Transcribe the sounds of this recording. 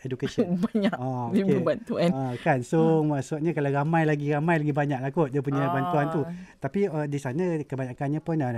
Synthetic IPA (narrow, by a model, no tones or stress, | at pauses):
edukasiəbaɲaʔaodikbeəbant̪uankansomaʔsut̪̚ɲãkalaramãjlaɡiramãjlaɡibaɲak̚lakʊt̪̚dapuɲabant̪uant̪ut̪apiədisanãkəbaɲakanɲãpʊna